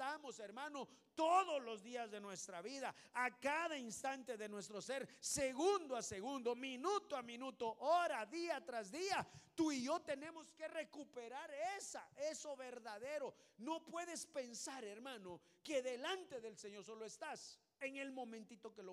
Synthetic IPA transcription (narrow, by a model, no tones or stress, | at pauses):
amoseɾmãnot̪oðo̞slo̞zðiazðe̞nwe̞st̪ɾaβiðaːkaðainst̪ant̪e̞ðe̞nwe̞st̪ɾo̞se̞ɾseɣund̪oaseɣund̪o̞minut̪oamĩnut̪oʔoɾaðiat̪ɾazd̪iat̪uiʝo̞t̪e̞ne̞mo̞ske̞re̞kupe̞ɾaɾesaeso̞βe̞ɾðaðe̞ɾo̞no̞pwe̞ðe̞spe̞nsaɾe̞ɾmãno | ke̞ðe̞lant̪e̞ðe̞lseɲo̞ɾso̞loest̪as | eŋe̞lmõ̞mẽnt̪it̪o̞kelo